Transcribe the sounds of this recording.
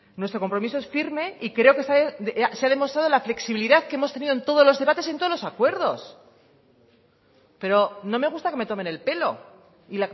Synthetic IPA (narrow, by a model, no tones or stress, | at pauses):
nwe̞st̪ɾoko̞mpɾo̞miso̞e̞sfiɾme̞ikɾe̞o̞ke̞saeseaðe̞mo̞st̪ɾaðolafle̞ksiβiliðaðkeemot̪e̞niðoent̪o̞ð̞olo̞zðe̞βat̪es̬ent̪olo̞sakwe̞ɾð̞o̞s | pe̞ɾo̞no̞me̞ɣ̞ust̪ake̞me̞t̪o̞me̞ne̞lpe̞lo̞̰ | ila